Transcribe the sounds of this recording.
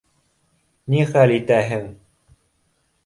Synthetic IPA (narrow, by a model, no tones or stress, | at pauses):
niχælit̪æɦɘŋ